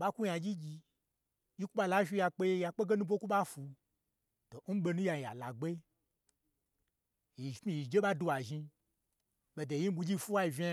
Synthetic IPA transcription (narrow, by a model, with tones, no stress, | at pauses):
ɓa˦ku˦ja˧d͡ʒi˦d͡ʒi˧ | ji˦ku˦ɓa˧la˦ʃi˧˦ja˧k͡pe˦je˧ja˧k͡pe˦ɡe˦nu˦bʷo˦ku˦ɓa˦fu˧ | to˨n̩˦ɓe˧nũ˦ja˧˨a̰˨la˨ɡ͡be˦ | ji˨˦i˨ji˨d͡ʒe˦ɓa˦du˧wa˨ʒi˧ | ɓe˧de˨ji˦m̩˦bu˧d͡ʒi˦fu˦a˦i˨vʲi˦a˦